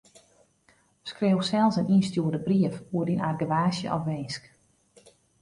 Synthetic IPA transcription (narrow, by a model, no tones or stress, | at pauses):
skreːwsɛlˠsəninstjuədəbriəfuəɾinarɡəʋaːsjə̰ʔɔfʋeːsk